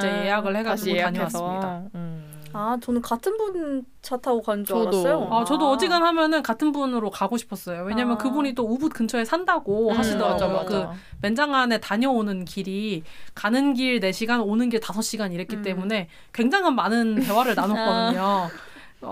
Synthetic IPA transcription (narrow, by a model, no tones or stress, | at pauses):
t͡ɕejeaɡɯɭhe̞ɡad͡ʑuaɲʌwas͈mida | at͡ɕʌnɯnkatʰɯnbun | t͡ɕatʰaɡokad͡ʑʌjoat͡ɕʌdoʌd͡ʑiɡɯnhamjʌnɯnkatʰɯnbunɯɾokaɡoɕʰi̥pʰʌs͈ʌjowe̞ɲamjʌnkɯbuɲit͈oubut̚k͈ɯnt͡ɕʰʌe̞sʰandaɡoaɕʰindʌad͡ʑookɯ | me̞nd͡ʑaŋane̞taɲʌonɯnkiɾikanɯnɡiɭne̞ɕʰiɡanonɯnɡiɭtasʰʌɕ͈iɡaɲiɾetk͈ʰit͈e̞mune̞ | kwe̞ŋd͡ʑaŋɦanmanɯnte̞waɾɯɭnanʌk͈ʌdɯɲo